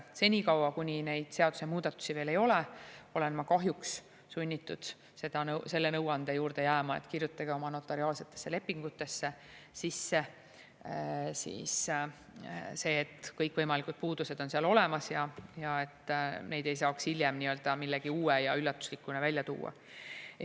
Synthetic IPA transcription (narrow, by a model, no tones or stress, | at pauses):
se̞nʲikɑwɑkunʲine̞jd̪̥seɑd̪u̥se̞muːd̪̥ɑt̪ːˑu̥sive̞ːle̞jo̞leo̞le̞nmɑkɑɦjuks | sunʲːit̪ːˑud̪̥ | se̞d̪̥ɑnɤwse̞lːe̞nɤwɑnd̪̥ejuːɾd̪̥e̞jæːmɑet̪kirjut̪ːˑɑɡ̥eo̞mɑno̞t̪ːˑɑɾiɑːlse̞t̪ːˑe̞̥sːe̞le̞pːiŋɡ̥ut̪ːˑe̞sːe̞ | sisːe̞ | sḭːs | se̞ːt̪ːkɤjkːvɤjmɑlikud̪̥̚puːd̪̥use̞d̪̥o̞nseɑlo̞le̞mɑsjɑjɑe̞t̪ne̞jd̪e̞jsɑːkshiljemniːø̞ld̪̥ɑmilːeɡ̥iuːejɑylːɑt̪ːˑu̥slikːˑunevælʲjɑt̪ṵːɑ̰